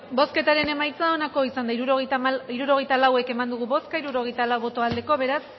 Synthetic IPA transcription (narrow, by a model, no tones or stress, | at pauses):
bo̞ske̞t̪aɾe̞ne̞majt͡sao̞nako̞isand̪aiɾuɾoɣiɾuɾo̞ɣejt̪alawe̞ke̞mand̪uɣ̞uβo̞skaiɾuɾo̞ɣ̞e̞jt̪alawβo̞t̪o̞ald̪e̞ko̞βe̞ɾas